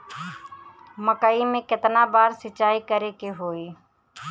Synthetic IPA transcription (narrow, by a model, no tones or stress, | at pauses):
məkaːimẽːkɪt̪naːbaːɾsɪt͡ʃaːikəɾekeɦoːiː